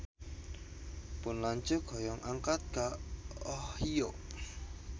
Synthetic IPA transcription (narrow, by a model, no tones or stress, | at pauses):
pʊnlaɲt͡ʃʊɡ̥ɔ̤jɔŋʔaŋkat̪̚ɡ̥aɔhijoʔ